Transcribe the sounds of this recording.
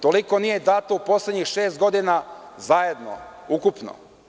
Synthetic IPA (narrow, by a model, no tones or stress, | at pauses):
t̪oliko̞nije̞d̪aːt̪oupo̞slʲed̪ɲixʃeːst̪ɡo̞d̪inazaje̞d̪no̰ukupno̰